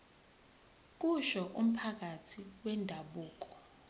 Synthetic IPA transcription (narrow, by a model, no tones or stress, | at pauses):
k̬uʃɔʔum̩pʰak̬atʰiwɛndʱaɓuːk̬ɔ̥